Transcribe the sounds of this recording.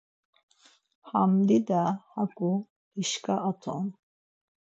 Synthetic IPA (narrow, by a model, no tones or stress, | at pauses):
hamd̪id̪ahakʼu | iʃkʰʼaʔːt̪ʰɔ̰n